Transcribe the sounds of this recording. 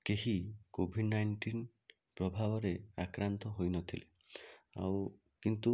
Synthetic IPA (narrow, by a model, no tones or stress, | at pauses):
keɦikobʱiɖnajɳʈin | pɾɔbʱabɔɾeakɾant̪ɔɦojnɔt̪ʰile | a̰w | kint̪u